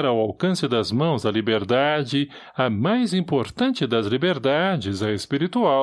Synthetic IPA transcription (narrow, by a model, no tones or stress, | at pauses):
ɾawawkɐ̃sɪd̪ɐzmɐ̃w̃zɐlibeɾd̪ad͡ʒɪ | ɐmajzĩmpoɾt̪ɐ̃nt͡ʃɪd̪ɐzlibeɾd̪ad͡ʒɪzɐespiɾit̪uaw